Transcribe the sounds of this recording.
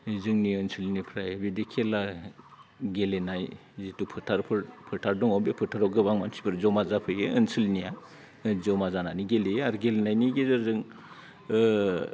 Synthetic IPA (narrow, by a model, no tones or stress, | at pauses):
zɯŋniɯnsʰɯlnipʰɾajbidikʰela | ɡelenaj | zitupʰɯɾtʰaɾpʰɯɾpʰɯɾtʰaɾdɔŋɔbepʰɯtʰaɾɔɡɯbaŋmansi̥pʰɯɾzɔmazapʰɯjɯɯnsɯlnija | zɔmazananiɡeleaɾɡelenajniɡezɯɾzɯŋ